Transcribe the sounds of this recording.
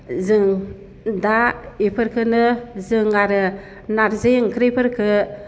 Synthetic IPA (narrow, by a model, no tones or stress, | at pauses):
zɨŋ | daipʰəɾkənəzɨŋaɾə | naɾzejŋkəɾepəɾkə